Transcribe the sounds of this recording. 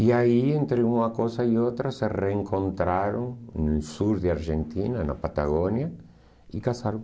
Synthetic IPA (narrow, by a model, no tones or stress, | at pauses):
iaient̪ɾeumakosaiot̪ɾasereeŋkʰõnt̪ɾaɾoŋnelsuɾðeaɾʒent̪inana̰pat̪aɣonja | ikasaɾõ